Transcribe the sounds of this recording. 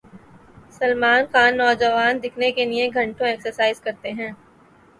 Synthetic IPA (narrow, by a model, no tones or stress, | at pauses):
sɐlmaːnxaːnːɔːd͡ʒɐʋaːnd̪ɪkʰnekelieɡʱɐ̃ɳʈõɛːksəɾsaːɪzkɐɾt̪eɦɛ̃ː